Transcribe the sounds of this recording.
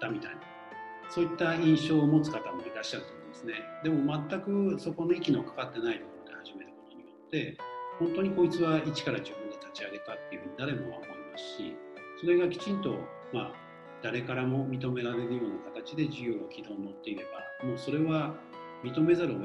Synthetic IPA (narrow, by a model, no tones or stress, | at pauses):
t̪ːamʲit̪aina | so̞ːit̪ːaĩɰ̃ɕo̞ːmo̞t͡sɨ̥kat̪amo̞iɾaɕːaɾɯ̟t̪omĩnd̪esɨne̞d̪e̞mo̞mat̪ːakɯ̟so̞ko̞no̞ikʲinokḁkat̪ːe̞nait̪o̞ko̞ɾod̪e̞haʑime̞ɾɯkot̪o̞ɲ̟ijo̞t̪ːe̞hõnt̪o̞ɲ̟iko̞it͡sɨβait͡ɕi̥kaɾaʑɨbɯ̟̃nd̪e̞t̪at͡ɕiaɡe̞t̪at̪ːe̞jɯ̟ɸɯ̟ɲ̟id̪aɾe̞moβa̰kaɾimasɨ̥ɕḭso̞ɾe̞ɡakʲi̥t͡ɕĩnt̪o̞ | ma̰ | d̪̥aɾe̞kaɾamo̞mʲit̪o̞me̞ɾaɾe̞ɾɯ̟jo̞ːnakat̪at͡ɕid̪e̞ʑɨjɯ̟ːokʲid̪o̞ːno̞t̪ːe̞iɾe̞ba̰mo̞ːso̞ɾe̞βa | mʲit̪o̞me̞zaɾɯ̟o